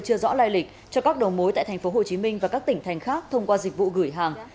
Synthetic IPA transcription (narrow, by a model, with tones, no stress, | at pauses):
t͡ɕɨ˧əzɔ̰˧˥laː˧jlï˨˩k̟̚ | t͡ɕɔ˧kaː˦˥k̚ɗə˨˩wmo˨˦jt̪a̰ː˧˨jt̪ʰŋ̟fo˨˦ɦo˨˩t͡ɕi˨˦mï˧ŋ̟vaː˨˩kaː˦˥k̚t̪ï˧˩ŋ̟t̪ʰa˨˩jŋ̟xaː˦˥k̚t̪ʰə˧wŋ͡mkwaː˧zi˨˩k̟̚vṵ˧˨ɣɨ˧˩əjɦaː˨˩ŋ